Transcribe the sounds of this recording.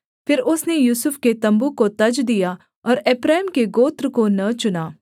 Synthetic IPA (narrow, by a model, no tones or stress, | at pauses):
pʰɪɾʊsnejuːsʊpʰket̪ɐ̃mbukot̪ɐd͡ʒd̪ijaː | ɔːɾeːpɾɛːmkeɡoːt̪ɾkonɐt͡ʃʊnaː